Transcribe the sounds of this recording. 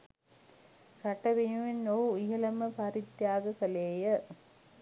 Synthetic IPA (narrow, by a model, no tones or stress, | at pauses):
kaʈɐʋenuʋenːoːiɦɐlɐməpɐɾit̪jaːɡəkɐleːjə